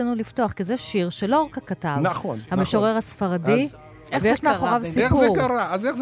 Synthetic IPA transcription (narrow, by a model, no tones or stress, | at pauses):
anulifto̞aχkizeʃiʁʃelo̞ʁakakatavnaχonhameʃoʁeʁasfaʁadi | vejeʃmaχoʁavssipueʁkaɾaazeχ